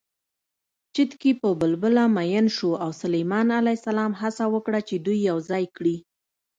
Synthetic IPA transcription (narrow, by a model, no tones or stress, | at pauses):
t͡ʃət̪kepəbəlbəlamajənʃuawsʊlejmɑnalajsalɑmɦasawəkɽat͡ʃed̪ujːawzɑjkɽi